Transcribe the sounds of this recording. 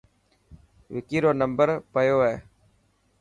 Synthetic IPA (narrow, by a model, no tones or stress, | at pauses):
ʋɪkiːɾoːnəmbəɾpəjoːɛː